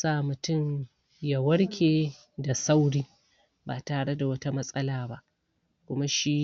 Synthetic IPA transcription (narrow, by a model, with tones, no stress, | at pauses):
saː˦mʊ˨tʊ˦ɲ | ja˨wɐ˦ɽkʲʰeː˨ | da˨sa˦wɽiː˦ | ba˨taː˨ɽe˦da˨wɐ˦ta˦mɐ˦sʼɐ˦laː˨ba˦ʔ | kʷʊ˦ma˦ʃi˦